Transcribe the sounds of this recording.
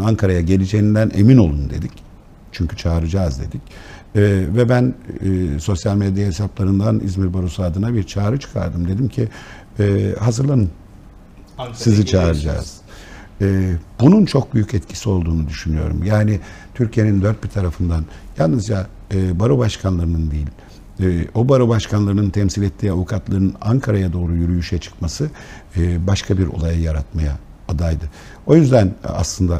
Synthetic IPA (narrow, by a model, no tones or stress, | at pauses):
aŋkʰaɾajaɟe̞lʲid͡ʒejind̪ænʔe̞̰mino̞lˠund̪e̞d̪ic | t͡ʃʰyɲcʰyt͡ʃʰaːɾɯd͡ʒaːzd̪e̞d̪icː | vɛbænːso̞sjalʲmed̪jaɦesaplˠaɾɯnd̪anḭzmiɾbaɾusuad̪ɯnabiɾt͡ʃʰaːɾɯt͡ʃʰɯ̥kʰa̰ɾd̪ɯmd̪e̞d̪imcʰi | ɛːhazɯɾlˠanɯn | sɯzit͡ʃʰaːɾɯd͡ʒa̰ːz̥ | ɛːbununt͡ʃʰo̞k̚byjycɛt̪cʰi̥sio̞lˠd̪uːnud̪yʃynyjo̞̰ɾṵmjaːnit̪ʰyɾcʰije̞nind̪øɾt̪̚biɾt̪ʰaɾafɯnd̪an | jalˠnɯzd͡ʒa | ɯbaɾubaʃkʰanlˠaɾɯnɯnd̪ijilʲː | obaɾubaʃkʰanlˠaɾɯnɯnt̪ʰɛmsilʲɛt̪ʰːiːavukʰat̪lˠaɾɯnɯnaŋkʰaɾajad̪o̞ːɾujyɾyjyʃɛt͡ʃʰɯ̥kmasɯː | baʃkʰabiɾo̞̰lˠajajaɾat̪majaː | d̪ajd̪ɯ | o̞jyzd̪æna̰slˠɯnd̪a